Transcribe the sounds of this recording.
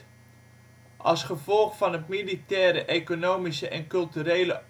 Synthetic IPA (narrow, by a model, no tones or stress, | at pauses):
ʔɑ̰lˠsχəvɔlˠxfɑnətmilitɛːɾəʔekonoːmisəʔɛnkɵlˠtyɾeːlə